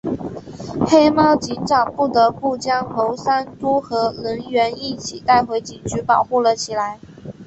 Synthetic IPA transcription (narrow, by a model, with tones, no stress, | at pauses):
xe˥ɪmɑ˥˩ʊt͡ɕi˧˥nʈ͡ʂɑ˨˩ŋpu˥˩t̪ɤə˧˦pu˥˩t͡ɕjɑ˥ŋxo˧˥ʊsa˥nt̪u˥xɤ˧˥lə˧˥ŋɥɛ˧˥ni˥˩t͡ɕʰi˨˩t̪a˥˩ɪxwe˧˥ɪt͡ɕi˨˩ŋt͡ɕʰy˧˥pɑ˨˩ʊxu˥˩lə˨t͡ɕʰi˨˩la˧˥ɪ